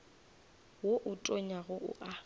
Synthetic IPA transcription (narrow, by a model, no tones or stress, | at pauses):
woʔʊtʼoɲaɣʊʔʊ̰ʔa